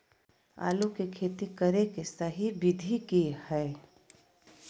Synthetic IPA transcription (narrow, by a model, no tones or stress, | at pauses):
a̰ːlukekʰeːt̪ikəɾekesəɦibɪd̪ʱikehɛː